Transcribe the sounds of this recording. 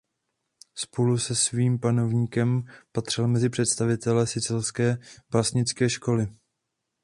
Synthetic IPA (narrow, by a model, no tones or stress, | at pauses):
spo̞lusɛsviːmpano̞vɲiːkɛmpat̪r̝̥ɪlmɛzɪpr̥ɛt̪st̪avɪt̪ɛlɛsɪt͡sɪlskɛːbasɲɪt͡skɛːʃko̞lɪ